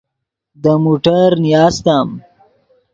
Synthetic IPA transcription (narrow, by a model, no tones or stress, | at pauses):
d̪əmuʈɐɾnijɑːst̪aːm